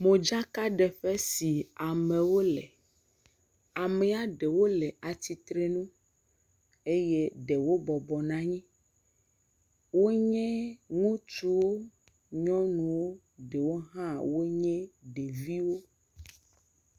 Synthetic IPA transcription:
mõ˨d͡ʒa˦ka˦ɖɛ˨ɸɛ˦si˨a˨mɛ̃˨wo˦lɛ˨ | a˨mɛ˨a˨ɖe˨wo˦lɛ˨a˨t̪i˨t̪ɾe˦nũ˦ | e˦je˦ɖe˨wo˦bɔ˨bɔ˨nã˦ɲĩ˦ | wo˦ɲɛ̃˦ŋũ˦t͡ʃu˦wo˦ | ɲɔ̃˦nũ˨wo˦ | ɖe˨wo˦ɦã˦wo˦ɲɛ̃˦ɖe˨vi˦wo˦

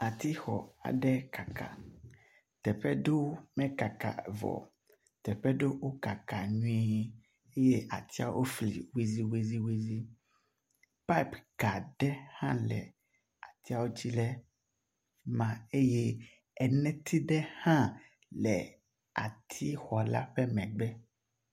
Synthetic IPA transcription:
a˨t̪i˦xɔ˨a̰˨ɖɛ˦ka˨ka̰˨ | t̪ɛ˨ɸɛ˦ɖo˦mɛ̃˦ka˨ka̰˨vɔ̰˨ | t̪ɛ˨ɸɛ˦ɖo˦wo˦ka˨ka˨ɲũ˦ɛ˦ɲɛ˦ | e˦je˦ʔa˨t̪ʰi˦a̰˦o˦ʔo˦flḭ˨we˦zi˦we˦zi˦we˦zi˦ | pa˦i˦˨pɡ̥a˨ɖɛ˦hã˦lɛ̰˨ | a˨t̪i˦a˦wo˦d͡ʑi˦lɛ˦ | mã˨e˦je˦ | ɛ˨nɛ̃˦t̪ʰi˦ɖɛ˦hã˦ | lɛ̰˨ | a̰˨t̪ʰi˦xɔ˨la̰˦ɸɛ˦mɛ̃˨ɡ͡bɛ˦

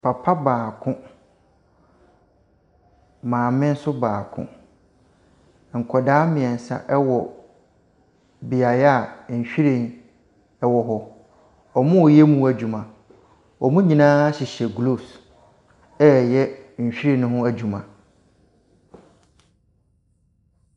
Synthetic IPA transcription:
pʰa˨pʰa˦baː˨kʰʊ̃˦ | mãː˨mɪ̃˦n̩˦sʊ˦baː˨kʰʊ̰̃˦ | ŋ̩˨kʰɔ˨daː˦mɪ̃˨ɛ˨n̩˨sa̰˦ʔɛ˦wɔ˨ | bi˨a˨ja˦˨ɲ̩˨ɕᶣi˦ɾĩ˨n | ɛ˦wɔ˨ɦɔ˦ | ɔ˨mʊ̃˦˨jɛ˦mũ˦æ˨d͡ʑu˨mã˨ | ɔ˨mũ˦ɲĩ˨nãː˦ɕi˨ɕɛ˨ɡlo˦˨s | ɛ˦˨jɛ˦ɲ̩˨ɕᶣi˦ɾĩ˨nʊ̃˦ɦʊ̃˦æ˨d͡ʑu˨mã˨

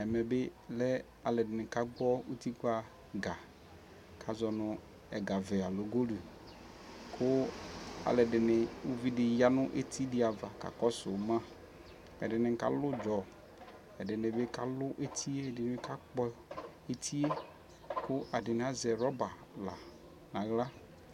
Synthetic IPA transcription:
ɛ˨mɛ˨be˦lɛ˦ | a˨lɛ˨dɪ˨nɪ˨ka˦ɡ͡bɔ˦u˦t̪i˦ka˦ | ɡa˨ | kʰa˨zɔ˨nʊ̃˨ | ɛ˨ɡa˨vɛ˨a˨lo˨ɡo˦lu˨ | kʰʊ˦a̰˨lɛ˨dɪ˨nɪ˨u˦vi˦dɪ˨ja˦nʊ̃˦ʔe˦t̪ʰi˦dɪ˦a˨va˨ka̰˨kɔ˦sʊ˨mã˦ | ɛ̰˨dɪ˨nɪ˨ka̰˨lʊ˦d͡ʒɔ˨ | ɛ˨dɪ˨nɪ˨be˦ka˦lʊ˦ʔe˦t̪ʰi˦e˦˨dɪ˨nɪ˨be˦ka˦k͡pɔ˦ | e˦t̪ʰi˦e˦ | kʊ˦ʔa˨dɪ˨nɪ˨˦a˨zɛ˨ɾɔ˦ba˨ | la̰˨ | nã˨ɣla˦

